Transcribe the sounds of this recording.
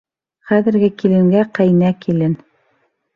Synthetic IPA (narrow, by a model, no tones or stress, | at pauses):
χæðɘ̆ɾɡɘkilɘ̆ŋɡæqæjnækilɘn